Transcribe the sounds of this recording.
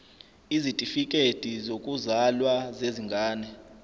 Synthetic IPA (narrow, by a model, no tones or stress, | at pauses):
izitʼifikʼed̥ʱizokʼuzalwazeziŋɡʱaːnɛ